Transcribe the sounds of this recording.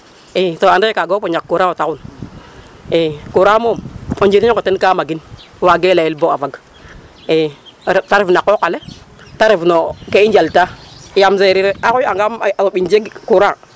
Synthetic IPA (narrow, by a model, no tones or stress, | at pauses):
esoandakaɡopoɲakːuɾawotakun | ekuɾamomond͡ʒiɾiokotenkamaɡin | waɡelajilboavaɡ | etaɾifnakːokale | taɾifnokeind͡ʒaltajamz̬eɾiɾeakuaŋɡamaoɓind͡ʒeɡkuɾa